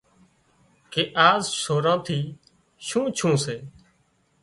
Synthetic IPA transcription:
keːʔaːzsoːɾãːt̪ʰiː | ʃũːt͡ʃʰũːseː

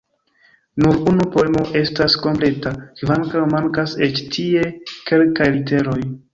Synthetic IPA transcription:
nuɾunupo̞e̞mo̞ʔe̞stasko̞mple̞takvaŋkawmaŋkase̞t͡ʃtʰie̞ke̞lkajlite̞ɾo̞j

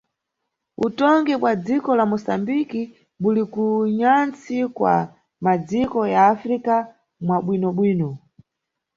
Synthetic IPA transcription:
ṵtɔŋɡɛkwad͡zikɔlamɔsambiki | ɓulikuɲant͡sikwa̰ | mad͡zikɔjaːfɾika | mwaɓwinɔɓwiːnɔ

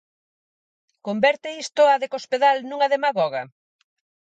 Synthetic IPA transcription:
kombɛɾt̪ɪist̪ʊaðekospeðalnũŋɐðemaɣɔɣɐ

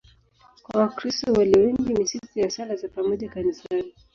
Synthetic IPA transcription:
kwawakɾistɔwaliwɛŋɡimisitujasalazapamɔʄakanisani

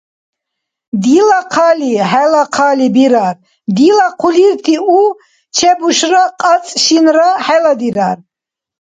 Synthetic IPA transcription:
d̪ilaqʰaliħɛlaqʰalibiɾar | d̪ilaqʰuliɾt̪ʰiu | t͡ʃʰɛbuʃraqʼat͡sʼʃinraħɛlad̪iɾar

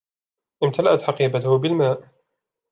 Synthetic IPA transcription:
ʔɪmt̪ʰalaʔat̪ħɑqiːbat̪ʊhbɪlmaːʔ

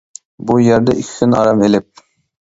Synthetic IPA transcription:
bujɛɾd̪ɛʔikʲʰkʲʰynɑ̰ɾɑmelɪp̚

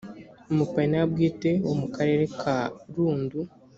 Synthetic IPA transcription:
omupainabɡiːte̞womukaɾe̞ːɾe̞kʰaɾuːndu

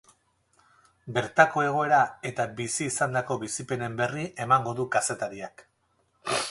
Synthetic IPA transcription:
be̞ɾt̪ako̞e̞ɣ̞o̞e̞ɾae̞t̪abisiːsand̪ako̞βisipe̞ne̞mbe̞riʔe̞maŋɡo̞ðukase̞t̪aɾiak

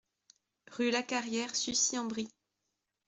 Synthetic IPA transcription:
ʁylakaʁjɛʁsysiɑ̃bʁi

